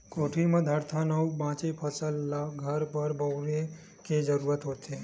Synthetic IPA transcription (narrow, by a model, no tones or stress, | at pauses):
koʈʰimãd̪ʱaɾt̪ʰanəwũbãt͡ʃepʰəsəlːaɡʱəɾbəɾbəwɾe | ked͡ʒəɾuɾət̪ɦot̪ʰe